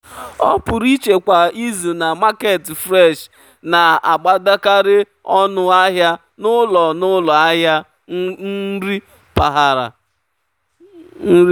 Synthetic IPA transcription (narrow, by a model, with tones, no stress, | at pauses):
ɔ˦pʊ˨ɾi˦t͡ʃe˨kʷa˨i˦zu˨na˨ma˦ke˨tfɾɛ˦˨ʃ | na˨a̰˨ɡ͡ba˦da˦ka˦ɾɪ˦ | ɔ˦nʊ˦a˦ɦja˦ | nʊ˦lɔ˨nʊ˦lɔ˨a˦ɦja˦ | n̩˦ɾi˦ | pa˨ɦa˨ɾa̰˨ | n̩˦i˦